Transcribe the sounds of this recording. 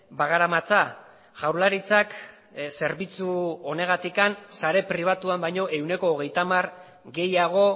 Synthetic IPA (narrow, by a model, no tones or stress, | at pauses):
baɣaɾamat͡sa | ʝawɾlaɾit͡sak | se̞ɾβit͡suo̞ne̞ɣ̞at̪ikansaɾe̞pɾiβ̞at̪uambajɲo̞ʔe̞wne̞ko̞ːɣ̞e̞jt̪amar | ɡe̞jaɣ̞o̞